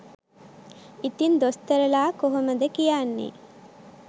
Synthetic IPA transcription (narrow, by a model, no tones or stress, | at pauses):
it̪ind̪ost̪ɐɾɐlaːkoɦoməd̪əkijaːnːḭː